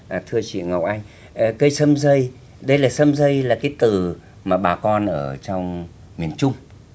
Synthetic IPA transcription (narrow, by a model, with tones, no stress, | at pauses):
ʔt̪ʰɨ˧ət͡ɕḭ˧˨ŋə˨˩w̚ʔa˧jŋ̟ | ʔkə˧jsə˧mzə˧j | ɗə˧jlaː˨˩sə˧mzə˧jlaː˨˩kaː˨˦jt̪ɨ˨˩ | maː˨˩ɓaː˨˩kɔ˧nʔəː˧˩t͡ɕɔ˧wŋ͡m | mi˨˩ənt͡ɕʊ˧ŋ͡m